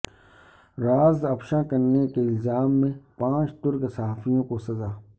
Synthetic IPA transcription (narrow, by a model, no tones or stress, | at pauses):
ɾaːzɐpʃãkɐɾnekeɪlzaːmːẽpãːt͡ʃt̪ʊɾksɐɦaːfijõkosɐzaː